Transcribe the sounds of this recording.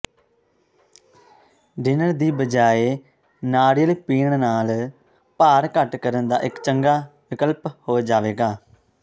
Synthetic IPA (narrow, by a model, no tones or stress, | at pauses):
ɖɪnəɾd̪iːbəd͡ʒaːeː | naːɽɪjəlːpiːɳɳnaːl | paːɾkəʈkəɾənd̪a̰ːʔɪkt͡ʃəŋɡaːʋɪkəlphoːd͡ʒaːʋeːɡaː